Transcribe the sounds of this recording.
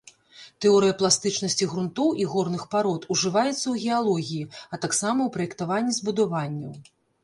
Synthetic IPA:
t̪ɛɔɾɨjɐplˠast̪ɨt͡ʂnɐsʲt͡sʲiɣɾunt̪ɔwʔiɣɔrnɨxpaɾɔt̪uʐɨvajɛt̪sːɐwɣʲɛalˠɔɣʲijiɐt̪aksamɐwpɾɐjɛkt̪avanʲːizbud̪avanʲːɐw

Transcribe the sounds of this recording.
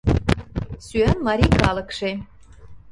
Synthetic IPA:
syænmɑɾʲikʰɑlˠə̆kʂe

